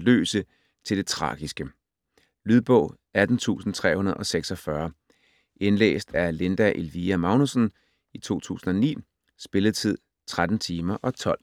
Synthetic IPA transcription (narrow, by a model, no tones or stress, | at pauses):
lø̰ːsə | t͡sʰe̝ld̥e̝t͡sʰʁɑ̰̈ːɡ̥isɡ̥ə | lyð̞ˠb̥ɔ̽ʊ̰ | æd̥n̩t͡sʰṵːsn̩t͡sʰʁɛ̰ːhunɐð̩ˠɒ̽seɡ̥sɒ̽fɶɐ | ʔe̝nlḛːsd̥æɐle̝nd̥æʔe̝lʋiæmɑ̈ʊnusən | it͡sʰo̝̰ːt͡sʰṵːsn̩ɒ̽nḭː | sb̥e̝ləð̞̩ˠt͡sʰið̞̰ˠ | t͡sʰʁad̥n̩t͡sʰiːmɐʔɒ̽t͡sʰɒ̽l̰